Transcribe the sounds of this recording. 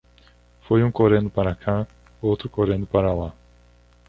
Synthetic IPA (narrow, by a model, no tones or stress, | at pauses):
fojũkoɾẽnd̪ʊpaɾakʰa | owt̪ɾʊkoɾẽnd̪ʊpaɾɐla